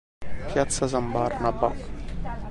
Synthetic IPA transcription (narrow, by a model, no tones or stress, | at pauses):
pjat̪sazambarnabak